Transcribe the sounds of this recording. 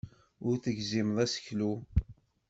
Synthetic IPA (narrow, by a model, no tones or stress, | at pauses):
ʊɾθəʝzimðˤæsə̥çlu